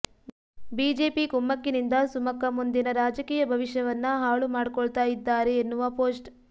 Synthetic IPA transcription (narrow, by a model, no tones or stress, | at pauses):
biːd͡ʒe̞ːpikumːɐkːinind̪ɐsumɐkːɐmund̪inɐɾaːd͡ʒɐkiːjɐbʱɐʋiʃjɐʋɐnːɐɦaːɭumaːɽikɔɭt̪aːjid̪ːaːɾeːnːuʋɐpoːsʈ